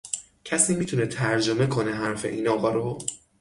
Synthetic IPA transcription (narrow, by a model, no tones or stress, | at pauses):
cʰæsiːmiːt̪ʰunet̪ʰæɾd͡ʒo̞me̞kʰoneɦæɾfe̞ʔiːnɒːɣɒːɾo